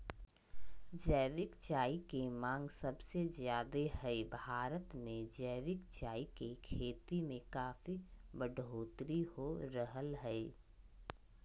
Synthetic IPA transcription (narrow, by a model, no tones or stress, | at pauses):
d͡ʒəːʋɪkt͡ʃaːikemãːŋɡsɐbsezjaːd̪eɦɛbʱaːɾət̪mẽd͡ʒəːʋɪkt͡ʃaːikekʰeːt̪imẽkaːfibəɖʱoːt̪ɾihoɾəɦəlɦɛe